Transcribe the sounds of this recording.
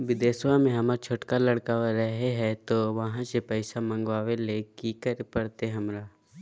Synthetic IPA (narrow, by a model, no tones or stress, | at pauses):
ʋɪd̪eːswãmẽɦɐməɾt͡ʃʰoʈkaləɽkaɾɛɦeɦɛt̪oʋɐɦãsepɛɪsamɐ̃ŋɡʋaːʋeleːkikəɾpəɽt̪eɦɐmɾaː